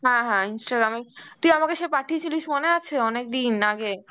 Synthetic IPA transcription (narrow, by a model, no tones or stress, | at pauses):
ɦɛ̃ɦɛ̃insʈaɡɾamet̪iamakeʃepaʈʰiet͡ɕuliʃmoneat͡ɕʰeɔnek̚d̪inaɡe